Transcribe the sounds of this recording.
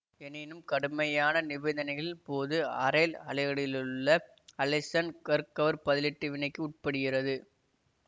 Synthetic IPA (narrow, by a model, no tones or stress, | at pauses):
ɛnɪnɯmkɐɽɯmɐjaːnɐnɪʋɛnd̪ɐnɐɪɣɐɭɭpoːðɯɐ̰ɾɐlɐlɐɪɣɐɽɪlɯɭːɐ | ɐlɛsɐnkɐɾkɐʋɐɾpɐðɪlɪʈːɯʋɪnɐɪkːɯʊʈ̚pɐɽɪɣɪrɐðɯ